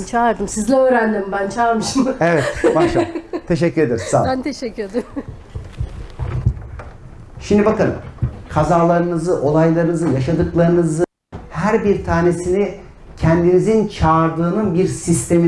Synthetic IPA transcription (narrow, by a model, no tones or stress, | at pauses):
nt͡ʃʰaɾd̪ɯmsizlʲɛøːɾænd̪imbænt͡ʃʰaːɾmɯʃɯmevɛt̪baʃat̪ʰːe̞ʃ̬ɛcːyɾe̞d̪eɾissa̰bænt̪ʰeʃɛcːyɾed̪im | ʃimd̪ibakɯnmkʰazaːlˠaɾɯnɯzɯʔo̞lˠajlˠaɾɯnɯzɯjaʃad̪ɯklˠaɾɯnɯzɯ | hæɾbiɾt̪ʰaːne̞sini | cʰɛnd̪inizint͡ʃʰaːɾd̪ɯːnɯnbiɾsist̪ʰe̞mi